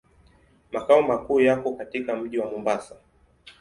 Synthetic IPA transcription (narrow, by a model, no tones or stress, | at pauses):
makaumakuːjakɔkatikam̩ʄiwamɔmbasa